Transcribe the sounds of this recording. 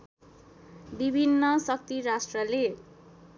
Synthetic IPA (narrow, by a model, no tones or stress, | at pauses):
bibʱinːʌsʌk̚t̪iɾasʈrʌle